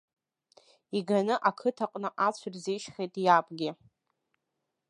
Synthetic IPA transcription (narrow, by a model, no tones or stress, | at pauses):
iɡanɨʔakʰɨtʰaqʼnɨʔat͡ɕʷʰɨrzejʃχejtʼjapʼɡʲɪ